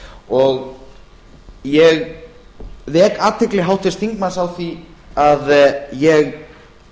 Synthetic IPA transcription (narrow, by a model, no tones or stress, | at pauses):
ɔɣ | jɛɣ | ðɛːkaːt̪ʰɪklɪɦawht̪ɪ̥st̪iŋkmasawθiaðjɛɣ